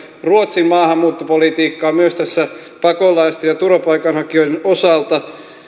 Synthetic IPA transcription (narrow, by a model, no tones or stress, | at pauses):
ruot̪simmɑːhɑmːuːt̪ːopolit̪iːkːɑːmyøst̪æsːæ | pɑkolɑist̪ejjɑt̪urɑpɑikɑnhɑkioidenʔosɑˑlt̪ɑ